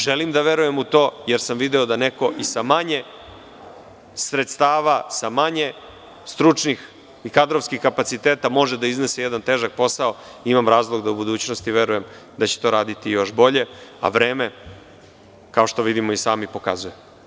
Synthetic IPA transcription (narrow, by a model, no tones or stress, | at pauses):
ʒelimd̪aʋe̞ɾuje̞mut̪o̞ːjeɾsamʋid̪eod̪ane̞ko̞ʔisamaɲe̞ | sɾet̪st̪aːʋasamaɲe̞ | st̪ɾut͡ʂnix | ikad̪ɾofskixkapat̪sit̪eːt̪amo̞ʒed̪aizne̞sejed̪ant̪eːʒak̚po̞sao̞imamɾaːzlˠoɡd̪aubud̪uːt͡ɕnost̪iʋe̞ɾuje̞m | d̪at͡ɕe̥t̪o̞ɾaːd̪it̪ijo̞ʃbo̞ʎe̞a̰ʋɾe̞ːme̞ | kao̞ʃt̪o̞ʋid̪imoisaːmipo̞ka̰zujem